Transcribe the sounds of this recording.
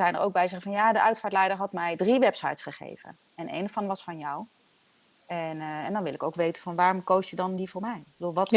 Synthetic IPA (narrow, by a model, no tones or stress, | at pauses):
zɛjnə̰ɹʔo̰wɡ̚bɛjzɛχəvɑnjaːdəʔœɥtfaːɹtlɛjdəɹɦɑtmɛjdriʋɛpsɑjtsχəχḛjv̥ə̰n | ɛnḛjnofɑnʋɑsfɑnjɔw | ɛnɛndɑnʋɪlɪkowkʋejtənvɑnʋaːrɔmkowsjədɑndivʊːɹmɛjbəduːlˠʋɑt